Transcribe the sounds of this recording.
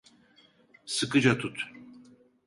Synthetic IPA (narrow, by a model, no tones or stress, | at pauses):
sɨkɯd͡ʒat̪ʰut̪